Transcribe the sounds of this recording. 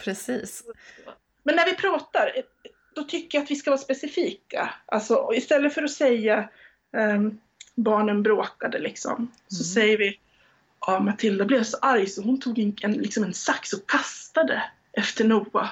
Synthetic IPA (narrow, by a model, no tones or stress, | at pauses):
pʰɾɛsiːs | mɛnːæɾvɪpʰɾɑːt̪aɾ | d̪̥ɔt̪ʰʏkːəɾjaat̪vɪskavɑːɾspɛsɪfiːka̰ʔalsɔɔɪst̪ɛlːəfœɾɔsɛjːa | bɑːɳənbɾoːkad̪əlɪksɔ̰m | sɔsɛjːəɾvɪ | ʔɔmat̪ʰɪld̪ablɛːvsɔʔaɾjsɔhʊnt̪ʰuːɡɛnɛnlɪksɔmɛnsaksɔkʰːast̪ad̪ə | ʔɛft̪əɳuːa̰